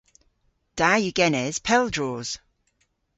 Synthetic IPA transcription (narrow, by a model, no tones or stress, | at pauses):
d̥ajʉɡɛnɛz̥pʰɛlˠdɹɔːz̥